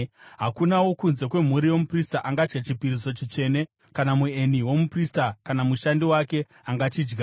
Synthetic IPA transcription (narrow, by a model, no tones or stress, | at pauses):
ɦakunawo̞kunze̞kwe̞m̤uɾijo̞mupristaʔaŋɡad͡ʒɡat͡ʃipiɾiso̞t͡ʃit͡ʃe̞ne̞ | kanamue̞niwo̞mupristakanamuʃandiwake̞ | aŋɡat͡ʃiːd͡ʒɡa